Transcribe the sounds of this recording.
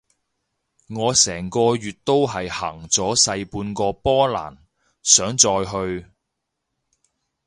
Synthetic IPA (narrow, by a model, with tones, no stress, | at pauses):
ŋɔː˨˧sɛː˨˩ŋkɔː˧jyː˨t̚t̪o˥wɦɐ˨jhɐː˨˩ŋt͡sɔː˨˥sɐ˧jpuː˧nkɔː˧pɔː˥la̰ː˨˩n | sœː˨˥ŋt͡sɔː˧jɦɵ˧ɥ